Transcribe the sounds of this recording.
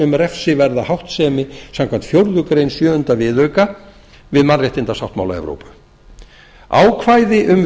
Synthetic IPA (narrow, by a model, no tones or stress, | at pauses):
ʏmɾɛfsɪvɛɾðahawht̪sɛːmɪsam̥kʰant̪fjowɾðʏkɾejnsjœːhʏnt̪avɪːðœɥka | vɪðmarjaht̪ɪnt̪asawht̪ma̰wla̰ɛ̰vɾo̰wpʏ̥ | a̰ːwkʰvaːjðɪʔʏm